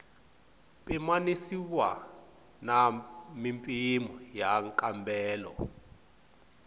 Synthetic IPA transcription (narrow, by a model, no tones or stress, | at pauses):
pʼimanisiwa̰ | namimpʼimɔjaŋkʼambɛːlɔ̰